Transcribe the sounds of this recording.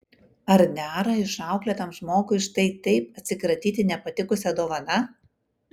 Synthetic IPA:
ɐɾnʲæːɾɐɪʃɑˑʊklʲɛːt̪ɐmʒmoːkʊɪɪʃt̪ɐɪt̪ɐɪp̚ɐt̪ʲsʲɪkɾɐt̪ʲiːt̪ʲɪnʲɛpɐt̪ʲɪkʊsʲɛd̪oːʋɐnɐ

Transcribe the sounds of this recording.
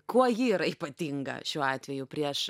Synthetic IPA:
kuɔjiːɾɐiːpɐt̪ʲiŋɡɐ̰ʃʲuːɑːt̪ʲʋʲɛjʊpʲɾʲiɛʃ

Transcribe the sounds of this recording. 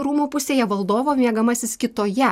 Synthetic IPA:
ɾuːmuːpʊsʲeːjɛʋɐlˠd̪oːʋoːmʲiɛɡɐmɐsʲɪskʲɪt̪oːjɛ

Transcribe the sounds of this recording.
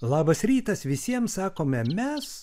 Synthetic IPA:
lˠɑːbɐsɾʲiːt̪ɐsʋʲɪsʲiɛmssɑːkoːmʲɛmʲɛs

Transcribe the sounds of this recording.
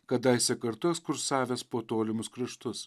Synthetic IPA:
kɐd̪ɐɪsʲɛkɐɾt̪ʊɛkskʊɾsɑːʋʲɛːspoːt̪oːlʲɪmʊskɾʲɪʃt̪ʊs

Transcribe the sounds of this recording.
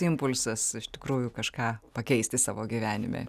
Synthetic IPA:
ɪmpʊlʲsɐsɪʃt̪ʲɪkɾuːjʊkɐʃkɑːpɐkʲɛɪsʲt̪ʲɪsɑːʋoːɡʲiʋʲæːnʲɪ̰mʲḛ

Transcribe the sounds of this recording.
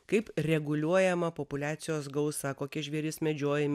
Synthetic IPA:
kɐɪpɾʲɛɡʊlʲuɔjɛmɐpopʊlʲæːt̪sʲɪjoːsɡɐʊsɐkoːkʲɛʒʲʋʲiɛɾʲɪsmʲɛd͡ʒʲoːjɛmʲ

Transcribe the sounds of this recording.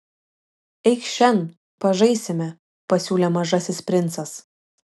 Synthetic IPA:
ɛɪkʃʲɛn | pɐʒɐɪsʲɪmʲɛ | pɐsʲuːlʲemɐʒɐsʲɪspʲɾʲɪnt̪sɐs

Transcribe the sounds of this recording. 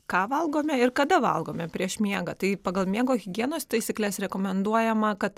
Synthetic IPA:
kɑːʋɐlˠɡoːmʲɛɪɾkɐd̪ɐʋɐ̰lˠɡoːmʲɛpʲɾʲiɛʃmʲiɛɡɐt̪ɐɪpɑːɡɐlˠmʲiɛɡoːɣʲɪɡʲiɛnoːst̪ɐɪsʲiːklʲɛsɾʲɛkoːmʲɛnd̪uɔjɛmɐkɐt̪

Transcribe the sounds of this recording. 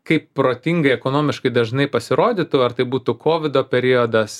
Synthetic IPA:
kɐɪppɾoːt̪ʲiŋɡɐɪɛkoːnoːmʲɪʃkɐɪd̪ɐʒnɐɪpɐsʲɪɾoːd̪ʲiːt̪ʊɐrt̪ɐɪbuːt̪ʊkʰoːʋʲɪd̪oːpʲɛɾʲiod̪ɐs

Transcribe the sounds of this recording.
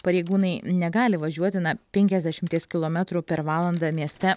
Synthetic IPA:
pɐɾʲɛɪɡuːnɐɪnʲɛɡɑːlʲɪʋɐʒʲuɔt̪ʲɪnɐpʲɛŋʲkʲɛzd̪ʲæʃʲɪmʲt̪ʲiɛskʲɪlˠoːmʲɛt̪ɾupʲɛɾʋɑːlˠɐnd̪ɑmʲiɛsʲt̪ʲɛ

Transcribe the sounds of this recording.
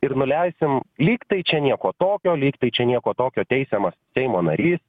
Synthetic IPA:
ɪɾnʊlʲɛɪsʲɪmlʲiːkt̪ɐɪt͡ʃʲɛnʲiɛkoːt̪oːkʲoːlʲiːkt̪ɐɪt͡ʃʲɛnʲiɛkoːt̪oːkʲoːt̪ʲɛɪsʲɛmɐssʲɛɪmoːnɐ̰ɾʲiːs

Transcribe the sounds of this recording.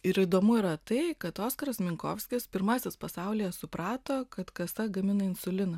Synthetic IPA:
ɪɾid̪oːmʊɪɾɐt̪ɐɪkɐt̪oːskɐɾɐsmʲɪŋko̰ːfsʲkʲɪspʲɪɾmɑːsʲɪspɐsɑˑʊlʲijɛsʊpɾɑːt̪oːkɐt̪kɐsɐɡɐmʲɪnɐɪnsʊlʲɪnɐ

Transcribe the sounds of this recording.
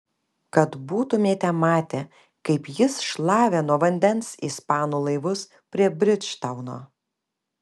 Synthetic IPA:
kɐt̪buːt̪ʊmʲeːt̪ʲɛmɑːt̪ʲe | kɐɪpjɪsʃlˠɑːʋʲeːnuɔʋɐnʲd̪ʲɛnsiːspɑːnuːlˠɐɪʋʊs | pʲɾʲiɛbʲɾʲɪt̪ʃt̪ɐʊno̰ː

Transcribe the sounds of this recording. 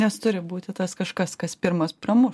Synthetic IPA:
nʲɛst̪ʊɾʲɪbuːt̪ʲɪt̪ɐskɐʃkɐskɐspʲɪɾmɐspɾɐmʊ

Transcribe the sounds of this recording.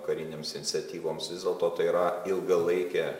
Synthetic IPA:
kɐɾʲɪnʲeːmsɪnʲɪt̪sʲɛt̪ʲiːʋoːmsʋʲɪzdʲeːlˠt̪oːt̪ɐɪiɾɐɪlˠɡɐlˠɐɪkʲɛ

